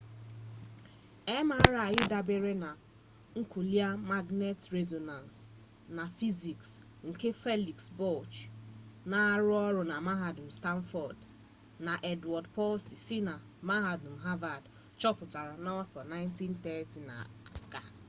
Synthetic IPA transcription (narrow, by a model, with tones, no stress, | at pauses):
e˦ma˦a˦ɾa˨ɲɪ˦da˨be˦ɾe˦na˨ | ŋ̩˦ku˨li˦a˦ma˦ɡne˦tɾe˦zo˨na˨ns | na˨fi˦zi˨ks | ŋ̩˨ke˦fe˦li˨ksbɔ˦˨lt͡ʃ | na˨a˦ɾʊ˦ɔ˦ɾʊ˨na˨ma˦ɦa˨dm̩˨sta˦n˦fɔ˨d | na˨ʔe˦dɔ˨dpɔ˦lsi˨sɪ˦na˨ | ma˦ɦa˨dm̩˨ɦa˦va˨d | t͡ʃɔ˦pʊ˨ta˨ɾa˨na˦wa˦fɔ˨na˦ɪ˦nti˦n̩˦tɛ˦ti˨na̰˨a̰˨ka˨